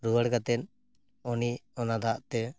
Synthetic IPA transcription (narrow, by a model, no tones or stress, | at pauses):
ɾuwəɽɡat̪ɛn | ɔniɔnad̪aʔt̪ɛ